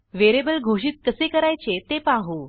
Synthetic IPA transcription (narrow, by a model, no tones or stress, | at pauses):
ʋeɾebəlɡʱoɕ̬iːt̪̚kəsekəɾajt͡set̪epaɦu